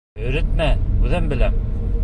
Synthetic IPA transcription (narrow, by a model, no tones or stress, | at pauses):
ɵ̆ɾɘt̪̚mæuðæmbɘ̆læm